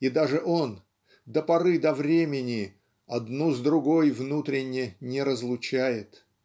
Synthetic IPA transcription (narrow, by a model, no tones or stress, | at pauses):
id̪aʐɨʔo̞n | d̪əpɐɾɨd̪ɐvɾʲemʲɪnʲɪ | ɐd̪nuzd̪ɾʊɡo̞jvnut̪ɾʲɪnʲːɪnʲɪɾəzlˠʊt͡ɕæjɪt̪